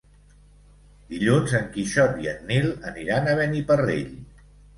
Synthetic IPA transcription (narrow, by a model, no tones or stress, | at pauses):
d̪̥iʎunzəŋkiʃɔtiənːilˠəniɾanəβənipərḛʎ